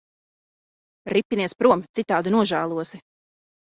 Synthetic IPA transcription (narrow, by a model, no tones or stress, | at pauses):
ɾipʲːiniɛspɾuɔmt̪sit̪aːd̪unuɔʒæːlˠuɔsi